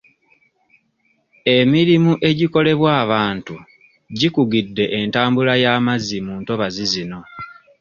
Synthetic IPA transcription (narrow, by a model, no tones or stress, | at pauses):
e̞miɾimuʔe̞ɟiko̞le̞βwaːβaːntu | ɟikuɡidːe̞ʔentaːmbulajaːmazimuːnto̞βazizino̞